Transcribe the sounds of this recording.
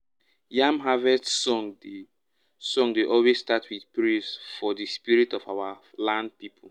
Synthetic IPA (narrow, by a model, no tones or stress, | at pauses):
jãmɦavɛdsɔ̃ŋd | sɔ̃ŋdeʔɔlwesstatʰwiθpɹisfɔðɨspiɹitɔfawa | lãnd̚pipʰɔ